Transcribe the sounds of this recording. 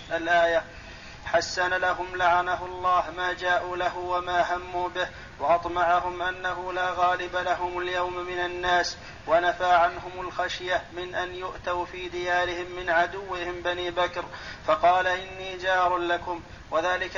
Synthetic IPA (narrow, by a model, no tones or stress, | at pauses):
ʔalʔaːja | ħasːanalaɦʊmlaʕanahlˤːɑːhmaːd͡ʒaːʔuːlaɦʊwamaːɦamːuːbɪh | waʔɑt̪ˤmɑʕaɦʊmʔanːaɦʊlaːɣɑːlɪbalaɦʊmaljawmmɪnanːaːs | wanafaːʕanɦʊmʊlxaʃjamɪnʔanjʊʔt̪awfiːd̪ɪjaːɾɪhɪmːɪnʕad̪ʊwːɪhɪmbaniːbakɾfɑqɑːlaʔɪnːiːd͡ʒɑːɾˤlakʊm | waðaːlɪk